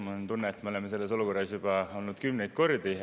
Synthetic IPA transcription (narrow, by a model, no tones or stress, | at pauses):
mɑnt̪unːeːt̪meolemese̞lːeso̞luko̞rːɑsjub̥ɑo̞lnud̪̥kymnejd̪̥ko̞rd̪i